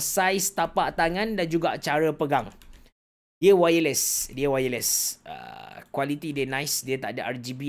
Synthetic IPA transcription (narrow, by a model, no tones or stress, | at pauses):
sajsə̥t̪apaʔt̪aŋãndand͡ʒuɡaʔt͡ʃaɾəpəɡaŋ | diəwajələsdiəwajələsʔə̰kwalit̪idənãjsdiət̪aʔdəʔard͡ʒibi